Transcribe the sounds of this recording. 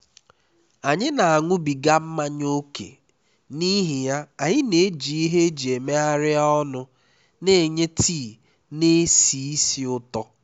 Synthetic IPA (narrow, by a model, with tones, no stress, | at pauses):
a˨ɲɪ˦na˨a˨ŋʷʊ˦bi˨ɡa˦m̩˦ma˦ɲ˦o˦kḛ˨ | ni˦ɦɪ˨ja˦a˨ɲɪ˦ne˨e˦d͡ʒi˨i˦ɦe˦d͡ʒi˨e˨me˦a˦ɾɪ˦ɔ˦nʊ˦ | ne˨ɲe˦tiː˦˨ | ne˦si˨i˦si˦ʊ˦tɔ˦